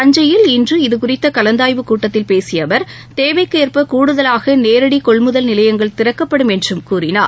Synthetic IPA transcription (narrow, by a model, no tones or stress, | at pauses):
ɐɲd͡ʒɐjɪlɪndrɯɪðɯkʊrɪt̪ːɐkɐlɐnd̪aːjʋɯkuːʈːɐt̪ːɪlpeːsɪjɐʋɐɾ | t̪eːʋɐɪkːeːɾpɐkuːɽɯðɐlaːɣɐneːɾɐɽikɔɭmɯðɐlnɪlɐjɐŋɡɐɭt̪ɪrɐkːɐpːɐɽɯmɛndrɯmkuːrɪnaː